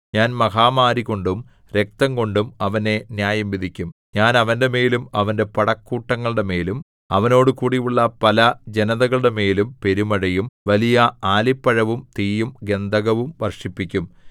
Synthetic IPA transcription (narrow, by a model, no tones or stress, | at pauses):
ɲaːnmɐɦaːmaːɾiko̞ɳɖum | ɾe̞k̚t̪ɐŋko̞ɳɖumɐʋɐne̞njaːjɐmʋid̪ʱikʲːum | ɲaːnɐʋɐnde̞me̞ːlumɐʋɐnde̞pɐɽɐkːuːʈːɐŋːɐɭɨɽe̞me̞ːlum | ɐ̰ʋɐno̞ːɽɨkuːɽijuɭːɐpɐlɐd͡ʑe̞nɐðɐɣɐɭɨɽe̞me̞ːlumpe̞ɾumɐɻɐjumʋɐlijɐaːlipːɐɻɐʋumt̪iːjumɡe̞nd̪ɐɣɐʋumʋɐrʂipːikʲːum